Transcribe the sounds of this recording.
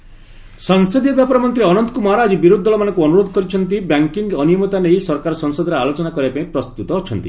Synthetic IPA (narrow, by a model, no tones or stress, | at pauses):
sɔŋsɔd̪iɔbjapɔɾɔmɔnt̪ɾiɔnɔnt̪ɔ̥kumɔɦaɾaːd͡ʒibiɾud̪ʱːɔlɔmanɔ̃ŋkuɔnuɾod̪ɔkɔɾit͡ʃʰɔnt̪̬ibaŋkiŋɡɔnijɔmɔt̪anejsɔɾkaɾɔsɔŋsɔd̪ɔɾealot͡ʃɔnakɔɾibapaĩpɾɔst̪ut̪ɔːt͡ʃʰɔnt̪i